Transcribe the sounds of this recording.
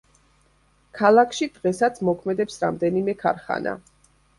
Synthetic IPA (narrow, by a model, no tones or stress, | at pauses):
kʰalˠakʰʃid̪̥ʁɛsat̪sʰmɔkʰmɛd̪ɛpsɾamd̪ɛnimɛkʰa̰ɾχa̰nʔa̰